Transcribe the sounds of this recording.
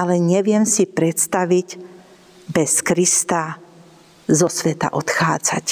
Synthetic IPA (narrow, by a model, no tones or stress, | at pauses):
alɛɲɛʋɪɛmsipɾɛt̪st̪aʋiɟ | bɛskɾist̪a | zɔsʋɛt̪a̰ʔɔt̪xaːd͡za̰c